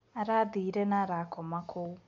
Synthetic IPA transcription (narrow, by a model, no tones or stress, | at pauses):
aɾadiɾɛnaɾakɔmakʰo